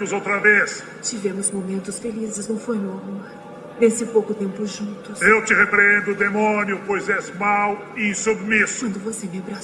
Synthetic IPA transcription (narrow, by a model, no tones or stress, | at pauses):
mʊzowt̪ɾɐves | t͡ʃivẽmʊzmomẽnt̪ʊsfelizɪznɐ̃w̃fojnɔvʊma | nesɪpowkʊt̪ẽmpʊʒũnt̪ʊsewt͡ʃ̪ɪʁepɾẽnd̪ʊd̪emõnjʊpojzɛzmaw | ɪsubmisʊwɐ̃nd̪ʊvosemabɾa